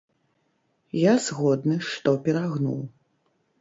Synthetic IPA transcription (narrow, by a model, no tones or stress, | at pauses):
jazɣɔd̪nɨʂt̪ɔpʲɛɾaɣnṵw